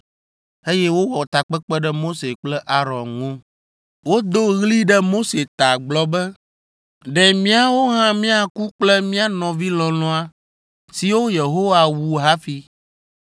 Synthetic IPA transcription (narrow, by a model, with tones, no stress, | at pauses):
e˦jɛ˦wo˦wɔ˨t̪a˨k͡pɛ˦k͡pɛ˦ɖɛ˦mo˦se˨k͡plɛ˦ʔa˦ɾɔ̃˨nŋõ˦ | wo˦d̪o˦ɣli˦ɖɛ˦mo˦se˨t̪a˨ɡ͡blɔ˨˦bɛ˦ | ɖɛ˨mĩ˦a˦wo˦ɦã˦mĩ˦a˨ku˦k͡plɛ˦mĩ˦a˦nɔ̃˨vi˦lɔ̃˨lɔ̃˦a˦ | si˨wo˦je˨ɦo˦wa˨wu˨ɦa˦fi˨